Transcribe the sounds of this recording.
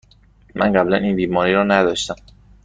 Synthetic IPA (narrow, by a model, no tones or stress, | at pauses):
mʔæ̰nɢæblæniːnbiːmɒːɾiːɾɒːnæd̪ɒːʃt̪æm